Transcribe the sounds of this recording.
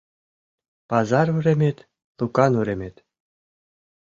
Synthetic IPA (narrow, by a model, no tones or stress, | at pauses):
pɑzɑrvɾʲemʲet̪ʲ | lukɑnɾʲemʲet̪ʲ